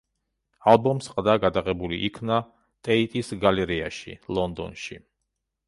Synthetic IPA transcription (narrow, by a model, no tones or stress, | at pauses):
alˠbɔmsqʼd̪aɡad̪aʁɛbuliʔikʰna | t̪ʼɛit̪ʼisɡalɛɾiaʃḭlˠɔnd̪ɔ̰nʃḭ